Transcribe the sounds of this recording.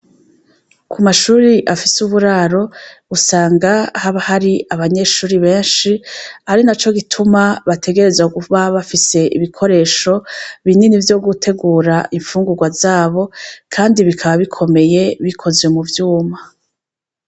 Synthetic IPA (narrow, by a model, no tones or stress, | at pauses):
kʰumaʃuːɾiʔafisuβuɾaɾo̞usaːŋɡahaβahaɾiaβaɲe̞ʃuːɾiβe̞ːnʃihaɾinat͡ʃo̞ɡitʰumaβatʰe̞ɡe̞ɾe̞zaɡuβaβafise̞ḭβikʰo̞ɾe̞ːʃo̞βininivjo̞ɡutʰe̞ɡuːɾaʔiɱfuːŋɡuɾɡwazaːβo̞kʰaːndiβikʰaβaβikʰo̞me̞je̞βikʰo̞zwe̞muvjuːma